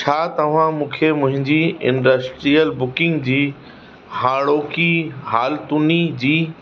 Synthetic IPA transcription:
t͡ɕʰaːt̪ɐʋ̤ãmũːkʰemʊ̃ɦɪ̃ɲd͡ʑiɪ̰̃ɳɖəsʈɾijəlbʊkɪ̃ŋɡd͡ʑiː | ɦaːɽoːkiɦaːlt̪unid͡ʑiː

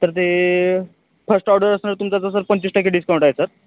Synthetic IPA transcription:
t̪əɾt̪e | fəsʈɔwɽəɾəsnəɾt̪umt͡sat͡sasəɾpəɲt͡ɕiːsʈakːeɖiskaw̃ɳʈajesəɾ

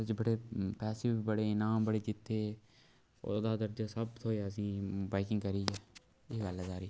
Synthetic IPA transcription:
d͡ʒbəɽeːpɛːsɪʋbəɽeːɪnaːmbəɽeːd͡ʒɪt̪ʰːeː | o̰d̪aːd̪əɾd͡ʒaːsəbt̪ʰoːaːəs̬ĩːbaːɪkɪ̃ŋɡkəɾiːɛː | eːɡəlɛzaːɾiː

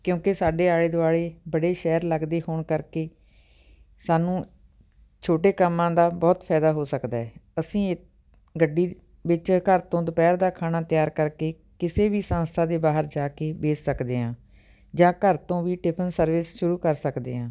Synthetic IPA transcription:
kjõːkɪsaːɖeːaːɽeːd̪ʊaːɽeːbəɽeːʃɛːɾləɡd̪eːhoːɳkəɾkeː | saːnũː | t͡ʃʰoːʈeːkəmːãːd̪aːbɔːt̪pʰɛːd̪aːɦoːsəkd̪aːɦɛːəsĩː | ɡəɖːiː | ʋɪt͡ʃkəɾt̪õːd̪ʊpɛːɾd̪aːkʰaːnaːt̪ɪjaːɾkəɾkeː | kɪseːʋiːsãːnst̪ʰãːd̪eːbaːɦəɾd͡ʒaːkeːbeːssəkd̪eːɦãː | d͡ʒãːkəɾt̪õːʋiːʈɪpʰənsəɾʋɪsʃʊɾuːkəɾsəkd̪ḛːɦãː

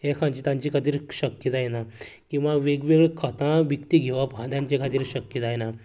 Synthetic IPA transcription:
ɦekʰãɲt͡ɕiːt̪ãɲt͡ɕikʰat̪iːɾɕəkjət̪ajna | kĩw̃ʋaʋeɡʋeɡɭkʰət̪ãʋikt̪iɡʱeʋabʱãd̪jãɲt͡ɕekʰat̪iːɾɕəkjət̪ajna

